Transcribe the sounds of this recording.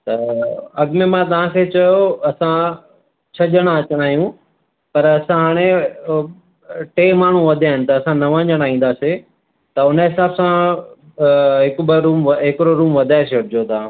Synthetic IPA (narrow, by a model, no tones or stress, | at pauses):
t̪ɐɐɡmemãt̪̬ɐʋ̤ãkʰeːt͡ɕɐjoɐsã | t͡ɕʰɐʄəɽ̃ãɐt͡ɕəɽ̃aːijũ | pɐɾɐsãɦaːɽ̃e | ʈeːmaːɳ̤ũʋɐd̪ʱaːɦɪnɪ̆t̪ɐːsãnɐʋə̃ɲd͡ʑəɽ̃aːĩːn̆d̪aːse | t̪ɐʊnɦɪsaːbsã | ɦɪkbəɾuːmʋɦɪkɪɾoɾuːmʋɐd̪ʱaːɪseʊʈɪd͡ʑjot̪ɐã